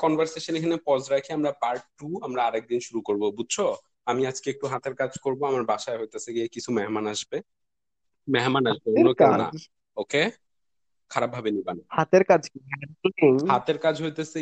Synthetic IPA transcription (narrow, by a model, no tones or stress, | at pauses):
kɔnbʱaɾseʃonekʰanepɔd͡ʑɾakʰiamɾapaɾʈʈːuamɾaaɾɛk̚d̪inʃuɾukoɾbobud̚ʱt͡ɕʰo | amiad͡ʑkeek̚ʈuɦat̪eɾkad͡ʑʱkoɾboamaɾbaʃaeɦojt̪esʰeɡiekit͡ɕʰumɛɦmanaʃbe | mɛɦmanaʃbeolokana̰ | oke | kʰaɾab̚ʱabenibanahat̪eɾkad͡ʑkiaukuhat̪eɾkad͡ʑɦojt̪ese